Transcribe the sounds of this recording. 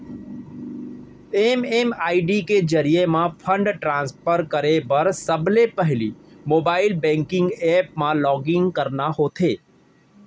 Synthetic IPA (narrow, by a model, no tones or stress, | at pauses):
eːmeːmaːiɖiked͡ʒəɾijemãpʰə̃ɳɖʈɾãːnspʰəɾkəɾebəɾsəblepəɦɪlimoːbaːɪlbɛ̃ːŋkɪ̃ŋɡeːpmãlɔːɡɪ̃ŋɡkəɾnahoːt̪ʰeː